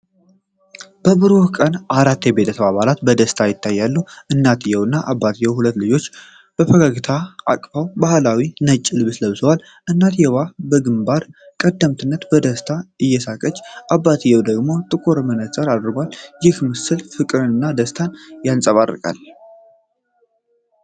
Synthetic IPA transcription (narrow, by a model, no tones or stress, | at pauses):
b̥əbɨɾokʼənʔaɾat̪ːjɛbe̞t̪ʰəsəβaβalat̪bəd̪əst̪ʰajɪt̪ʰːajːalːuʔɨnːat̪ʰjɛwɨnːaʔabːat̪ʰjɛwhulət̪ːlɨd͡ʒo̞t͡ʃː | b̥əfəɡaɡɨt̪ʰaa̰kʼfawbahlawinət͡ʃʼːɨlɨβɨsləβɨsəwal | ʔɨnːat̪ʰjɛwabəɡɨmbaɾ | kʼəd̪ːəmt̪ʰɨnːət̪bəd̪əst̪ʰaɨjːɛsakʼət͡ʃʼːʔabːat̪ʰɨjːɛwd̪əɡmo̞t̪ʼɨkʼoɾmənəsʼəɾad̪ɾbwaljɪhmɨsɨlfɨkʼɨɾɨnɨnːad̪əst̪ʰanjansʼəβa̰rːɨ̰kʼa̰l